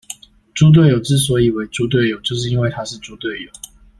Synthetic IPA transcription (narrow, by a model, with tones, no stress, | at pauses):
ʈ͡ʂu˥t̪̬we˥˩ɪjo˨˩ʊʈ͡ʂɻ̩˥˩s̬wɔ˧˥i˨˩we˧˥˦ɪʈ͡ʂu˥t̪̬we˥˩ɪjo˨˩ʊt͡ɕjo˥˧ʊʂ̬̩˥˧i˥nwe˥˨ɪt̪ʰa˥ʂɻ̩˥˨ʈ͡ʂu˥t̪we˥˨ɪjo˨˦